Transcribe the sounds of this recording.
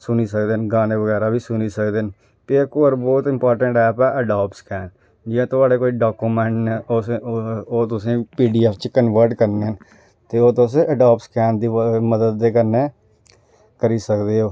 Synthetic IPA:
sʊniːsək̚d̪eːnɡaːneːʋəɡɛːɾaːbiːsʊniːsəkd̪eːn | peːkoːəɾbɔːt̪ɪmpɔːɾʈəɳʈɛːpɛːʔəɖaːpʈskɛːn | d͡ʒɪãːt̪ʊaːɽeːkoːiːɖaːkuːmɛ̃ːɳʈneːo | oːt̪ʊsĩːpiːɖiːɛːpʰt͡ʃkənʋəɾʈkəɾneːɦən | t̪eːoːt̪õs̬ẽːʔəɖaːp̚ʈskɛːnd̪iːməd̪əd̪ːeːkəɾneː | kəɾiːsəkd̪eːɦoː

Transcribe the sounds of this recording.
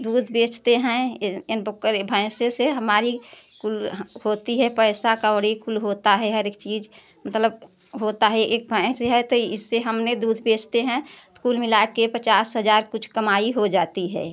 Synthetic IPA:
d̪uːd̪ʱbeːt͡ʃʰt̪eɦɛ̃ɪnbəkːəɾbʱə̃ɪ̃seseɦəmaːɾi | kulhoːt̪iɦɛpəɪsakabəɽikulɦoːt̪aɦɛɦəɾeːk̚t͡ʃiːd͡ʒ | mət̪ləb̚ | ɦot̪aɦɛʔeːk̚bʱə̃seɦɛt̪oɪsːeɦəmned̪uːd̪ʱbeːt͡ʃʰt̪eɦɛ̃skuːlmɪlaːkepət͡ʃaːsɦəd͡ʒaːɾkʊt͡ʃʰkəmaːiɦod͡ʒaːt̪iɦɛ̰ː

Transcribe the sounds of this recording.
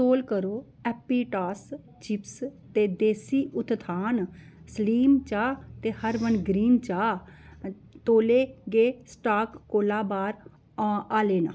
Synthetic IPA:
oːlkəɾoː | ɛːpiːʈaːs | t͡ʃɪpst̪eːd̪eːsiːʔʊt̪ʰt̪ʰaːn | sliːmt͡ʃaːt̪eːhəɾʋənɡɾiːnt͡ʃaː | t̪oːleːɡeːsʈaːkːoːlaːbaːɾ | aːleːnã̰ː

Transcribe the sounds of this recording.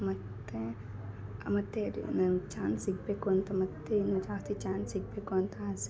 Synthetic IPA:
mɐt̪ẽ | ɐ̰mɐt̪ːeɾḭnɐt͡ʃaːnsik̚pekont̪ɐmɐt̪ːenɐt͡ʃaːt̪ʰit͡ʃaːnsik̚pekont̪ãs

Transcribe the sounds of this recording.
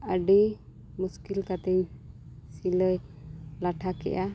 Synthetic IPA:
əɖi | muskilkat̪ɛɲ | siləj | laʈʰakɛ̰ʔa

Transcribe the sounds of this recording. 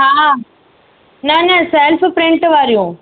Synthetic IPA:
ɦãːã | nɐnɐsɛlfpɾɪ̃ɳʈʋaːɾijũː

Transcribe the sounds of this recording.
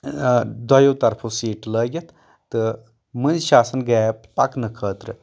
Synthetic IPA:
d̪ɐjoːt̪ɐɾpʰosiːʈləːɡʲɐt̪ʰ | t̪ɨ | mɨnzʃaːsɐnɡɛːpɐknɨkʰəːt̪ɾɨ

